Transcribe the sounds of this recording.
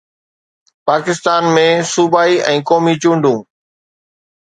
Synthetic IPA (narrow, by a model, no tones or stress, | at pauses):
paːkɪst̪aːnmẽːsuːbaːiʔɛ̃ːkoːmit͡ɕũːɳɖʱũː